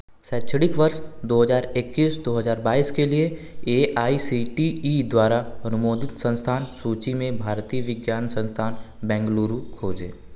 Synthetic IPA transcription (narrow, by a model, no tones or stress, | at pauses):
sɛːt͡ʃʰəɽɪkʋəɾʃd̪oːɦəzaːɾekːiːsd̪oːɦəzaːɾbaːiːskelieeʔaːisiʈiːd̪waːɾaɐnʊmoːd̪ɪt̪sə̃nst̪ʰaːnsuːt͡ʃimẽbʱaːɾt̪iːəʋɪɡjaːnsə̃nst̪ʰaːnbɛ̃ːŋɡluːɾukʰoːd͡ʒḛː